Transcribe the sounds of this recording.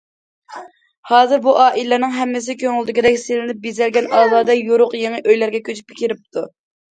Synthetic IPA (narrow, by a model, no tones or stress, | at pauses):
hɑːzɨɾbuʔɑːʔilɛnɪŋɦɛmːɪs̬ɪkʲʰøŋɪld̪ɪkʲid̪ɛkʲselɪnɪp̚bizɛlɡʲɛnɑːzˠɑːd̪ɛjoɾʊqjeŋɨʔøjlæɾɡʲɛkʲʰøt͡ʃʰy̥pʰɪ̥kʲiɾɪp̚t̪ʰu